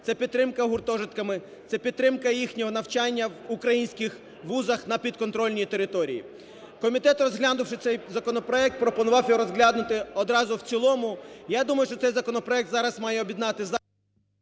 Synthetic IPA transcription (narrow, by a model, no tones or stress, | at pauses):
t̪sɛpʲid̪ɾɪmkɐɦʊrt̪ɔʒɪt̪kɐmɪ | t̪sɛpʲid̪t̪t̪ːɾɪmkɐjixnʲɔɦɔnɐwt͡ʃɑnʲːɐwʊkɾɐjinʲsʲkʲɪx | ʋuzɐxnɐpʲid̪̚kɔnt̪ɾɔlʲnʲit̪eɾɪt̪ɔɾʲḭjḭ | kɔmʲit̪ɛt̪rɔzɦlʲad̪ʊwʃɪt̪sɛjzɐkɔnɔpɾɔɛk̚t̪̚pɾɔpɔnʊʋɑwjɔɾɔzɦlʲad̪nʊt̪ɪɔd̪ɾɑzʊw̪t͡sʲilˠɔmʊjad̪umɐjʊʃt͡ʃɔt̪ɛjzɐkɔnɔpɾɔɛk̚t̪zɑɾɐzmɑjɛɔbʲid̪nɑt̪ɪz